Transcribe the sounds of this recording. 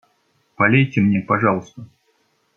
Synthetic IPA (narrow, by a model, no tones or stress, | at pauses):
bɐlʲejtʲɪmnʲepɐʐɑlˠəst̪ə